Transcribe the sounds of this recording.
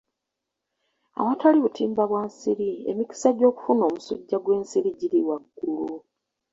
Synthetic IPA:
a̰wataliβutʰiːmbaβwaːnsiɾiḛmiki̥saɟo̞ːku̥funo̞ːmusṵɟːaɡwe̞ːnsiɾiɟiɾiwaɡːulu

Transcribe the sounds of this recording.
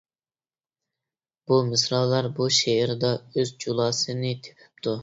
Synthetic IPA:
b̥umɪsɾɑlˠɑɾbuʃeɾd̪ɑøzd͡ʒulˠɑːsɨnɨt̪ʰe̥pʰɪ̥p̚t̪ʰu

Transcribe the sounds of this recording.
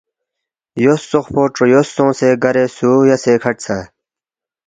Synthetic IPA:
josːoχpoːʈ͡ʂojosːõːseːɡɐɾeːsuːjɐseːkʰɐʈt͡sʰa

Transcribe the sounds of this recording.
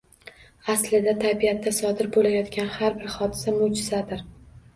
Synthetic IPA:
aslɪd̪at̪ʰabiat̪ʰːasɒd̪ɪɾbolajɒt̪kʲanhaɾbɪɾχɒd̪ɪsamʊd͡ʒɪzad̪ɪɾ

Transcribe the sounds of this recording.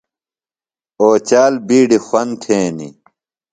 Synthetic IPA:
oːt͡ɕaːlbiːɖixɐnt̪ʰeːnḭ

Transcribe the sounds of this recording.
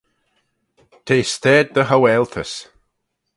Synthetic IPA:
t̪ʰeːst̪ɛːd̪̚d̪əɦawɛːlt̪ʰəs

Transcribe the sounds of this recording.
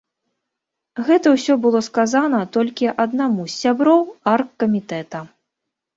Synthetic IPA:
ɣɛt̪ɐwsʲɔbɨlˠɔskazanɐt̪ɔlʲkʲiʔɐd̪namusʲːabɾɔwarkːɐmʲit̪ɛt̪ɐ

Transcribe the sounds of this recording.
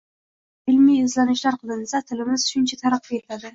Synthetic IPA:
ɪlmijɪzlanɪʃlaɾqʰɨlˠɪnɪsat̪ʰɪlɪmɪz̥ʊʃʊnt͡ʃʰat̪ʰaɾaqʰːeɪlad̪ɪ

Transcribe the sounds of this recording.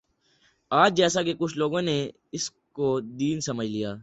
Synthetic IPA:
aːd͡ʒd͡ʒɛːsakekʊt͡ʃʰloːɡõːne | ɪs | kod̪iːnsəməd͡ʒʱlijaː

